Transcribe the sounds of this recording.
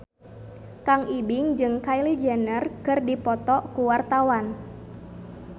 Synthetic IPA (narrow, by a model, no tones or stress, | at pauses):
kaŋʔibɪŋd͡ʒɨŋkailid͡ʒɛnərkɨrdipɔt̪ɔkuwart̪awan